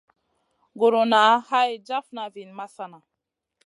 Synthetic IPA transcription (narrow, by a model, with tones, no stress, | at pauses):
ɡo˨ɾo˨na˨˦ha˦jd͡ʒa˦fna˨vi˨nma˦sa˦na˨